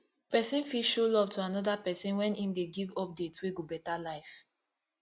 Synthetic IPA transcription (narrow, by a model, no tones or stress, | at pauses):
pɛsĩnfiʃolɔv̥tʰuanɔdapɛsĩnwɛ̃nĩmdeɡivɔp̚detsweɡobɛtalaɪf